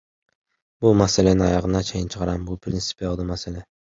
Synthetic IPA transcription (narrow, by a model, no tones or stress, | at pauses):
bʊmaselenɪɒjɑʁɨnat͡ʃʰejɪnt͡ʃʰɨ̥qʰɑɾambʊpʰɾʲɪnsɪ̥pjɒlˠd̪ɪmaselɛ